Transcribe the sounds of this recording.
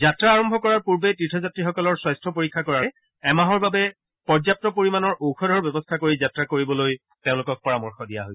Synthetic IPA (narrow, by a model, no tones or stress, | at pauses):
zatɹaːɹɔmbʱɔkɔɹaɹpuɹbetɹitʰɔzatɹixɔkɔlɔɹswajstʰɔpoɹikʰːakɔɹa | ɛmaɦɔɹbabɛ | pɔɹzap̚tɔpoɹimanɔɹoxʰɔdʱɔɹbɛbɔstʰakoɹizatɹakoɹibɔloj | teʊ̃lʊkɔk̚pɔɹamɔɹxɔdija̰ɦoj